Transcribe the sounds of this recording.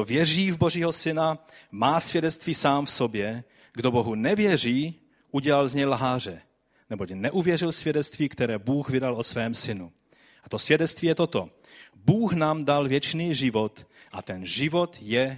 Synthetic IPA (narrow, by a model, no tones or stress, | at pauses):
ovjɛr̝iːvboʒiːɦosɪnamaːsvjɛdɛt͡st̪viːsaːmfsobjɛ | ɡdoboɦunɛvjɛr̝iː | ʔuɟɛlalzɲɛjlɦaːr̝ɛ | nɛbocnɛʔuvjɛrɪlsvjɛdɛt͡st̪viːkt̪ɛɾɛːbuːɣvɪdalosvɛːmsɪnu | ʔat̪osvjɛdɛt͡st̪viːjɛt̪ot̪o | buːxnaːmdalvjɛt͡ʃniːʒɪvot̪ʔat̪ɛnʒɪvot̪jɛ